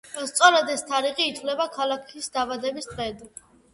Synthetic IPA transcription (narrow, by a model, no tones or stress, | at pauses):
st̪sʼɔɾad̪ɛst̪ʰaɾiʁiːt̪ʰwlɛbakʰalˠakʰisd̪aːvad̪ɛbist̪ʼʁɛd̪